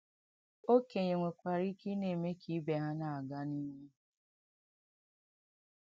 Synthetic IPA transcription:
o˦ke˨ɲe˨ŋʷe˨kʷa˨ɾi˦ki˦ne˨me˦kʰi˨˦be˨ɦa˦na˨a˨ɡa˦ni˦ɲe˦

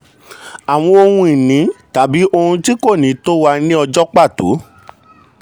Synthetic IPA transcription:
a˨w̃ɔ̃˧o˧hũ˧i˨nĩ˨˦ta˨˦bi˨˦ʔo˧hũ˧ti˦ko˦˨nĩ˨˦to˦wa˧nĩ˦ɔ˧d͡ʒɔ˦k͡pa˦˨to̰˨˦

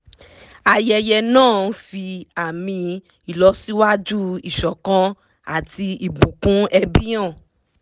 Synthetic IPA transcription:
a˧˨jɛ˧jɛ˧nãː˦˨n̩˦fi˧a˨mĩ˧ | i˨lɔ˨˦si˦wa˦d͡ʒu˦i˨ʃɔ˨kã˦ | a˦˨ti˧i˨ɡ͡bũ˨kũ˨˦ɛ˧bĩ˦ã˦˨

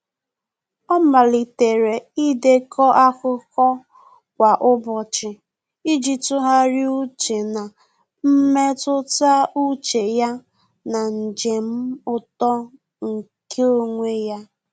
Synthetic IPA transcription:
ɔ˦ma˨li˨te˨ɾe˨i˦de˦kʰɔ˦ʔa˦kʊ˦kɔ˦ | kʷa˨ʔʊ˦bɔ˨t͡ʃɪ˨ | i˦d͡ʒi˨tʊ˦ɦa˦ɾɪ˦u˦t͡ʃe˨na˨ | m̩˦me˦tʊ˦ta˦u˦t͡ʃe˨ja˦ | na˨n̩˨d͡ʒe˨m̩˦ʊ˦tɔ˦ | ŋ̩˨ | kʰe˦o˦ŋʷe˦ja˦

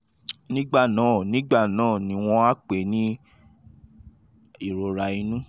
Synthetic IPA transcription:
nĩ˦ɡ͡ba˦˨nãː˨˦˨nĩ˨˦ɡ͡ba˦˨nãː˨˦˨nĩ˨˧˦w̃ɔ̃˧a˦k͡pe˨˦nĩ˦ | i˦˨ɾo˨ɾa˨i˧nũ˦

